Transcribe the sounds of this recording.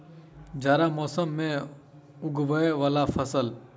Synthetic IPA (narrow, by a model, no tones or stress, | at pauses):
d͡ʒaːɾamɔːsəmːẽ | ʊɡʋəeʋaːlafʰəsəl